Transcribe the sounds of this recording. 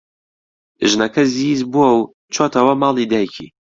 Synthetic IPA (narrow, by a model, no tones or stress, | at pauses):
ʒnɐkʰɐzizbuɐw | t͡ʃʰoːt̪ʰɐwɐmaːlˠid̪aːjkʰḭ